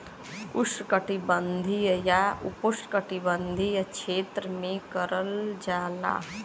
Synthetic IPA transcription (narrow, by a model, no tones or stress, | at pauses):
uskəʈibənd̪ʱijəjaupuskəʈibənd̪ʱijət͡ʃʰet̪ɾəmekəɾəld͡ʒaːla̰